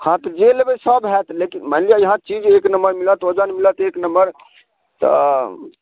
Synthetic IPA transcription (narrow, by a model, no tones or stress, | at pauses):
hãt̪ɔd͡ʒelebesəbɦɛt̪lekinmənlijajəɦãt͡ʃid͡ʒeknəməɾmilət̪od͡ʒənmilət̪eknəmbəɾ | t̪ɔ̰